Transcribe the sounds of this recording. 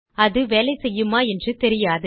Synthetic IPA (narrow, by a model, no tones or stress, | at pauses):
ɐðɯʋeːlɐɪsɛjːɯmaːɛndrɯt̪ɛɾɪjaːðɯ